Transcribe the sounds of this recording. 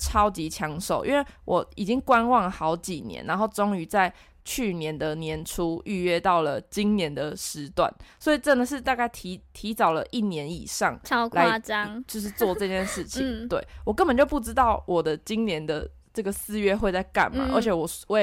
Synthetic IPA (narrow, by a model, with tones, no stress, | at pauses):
ʈ͡ʂʰɑ˥ʊt͡ɕi˧˥t͡ɕʰjɑ˧˦ŋʂo˨˩ʊʔḭ˥˦nwe˥˩ɪwʔɔ˨˩i˨˩t͡ɕi˦ŋkwa˦˥nwɑ˥˩ŋlə˩xɑ˧˥ʊt͡ɕi˨˩njɛ̰˧˦nːa̰˧nxo˥˩ʊʈ͡ʂo˥ŋy˧˥t͡sa˥˧ɪ | t͡ɕʰy˥˩njɛ˨˦nd̪ə˨njɛ˧˥nʈ͡ʂʰu˥y˥˩ɥɛ˥˧t̪ɑ˥˩ʊlə˩t͡ɕi˦˥ŋnjɛ˧˦˥nd̪ə˨ʂɻ̩˧˦t̪wa̰˥˩nswɔ˧˥i˨˩ʈ͡ʂə˥d̪ə˨ʂ̬ɻ̩˥˧t̪a˥˧ka˥˩ɪt̪ʰi˧˥t̪ʰi˧˥t͡sɑ˨˩ʊlə˨ʔi˥˩njɛ˧˦nḭ˨˩ʂɑ˥˨ŋla˨˧˦ɪt͡ɕjo˥˧ʊʂ̬ɻ̩˥˧t͡swɔ˥˧t͡sɤ˥˧t͡ɕjɛ˥˧nʂɻ̩˥˩t͡ɕʰi˨˥˦ŋt̪we˥˩ɪwɔ˨˩kə˦nbə˨˩nt͡ɕjo˥˧ʊpu˥˩ʈ͡ʂɻ̩˥t̪ɑ˥˩ʊwɔ˨˩d̪ə˦t͡ɕi˦ŋnjɛ˧˥nd̪ə̰˨ | ʈ͡ʂɤ˥˩ɡə˩sɹ̩˥˧ɥɛ˥xwe˥˧ɪt͡sa˥˧ɪka̰˥˨˩nma̰˨ʔə̰˞˧˥t͡ɕʰjɛ˨˩wɔ˨˩wɔ˧˥˩